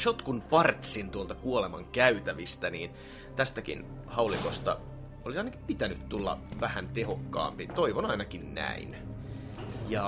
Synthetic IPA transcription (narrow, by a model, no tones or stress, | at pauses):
ʃot̪kunpɑrt̪sint̪uolt̪ɑkuolemɑŋkæyt̪æʋist̪æniːn | t̪æst̪ækḭn | hɑulikost̪ɑ̰ | olisɑinɑki̥mpit̪ænyt̪t̪ulːɑ̰ʋæhænt̪ehokːɑ̰ːmpit̪oiʋonɑinɑkinnæ̰in | jɑ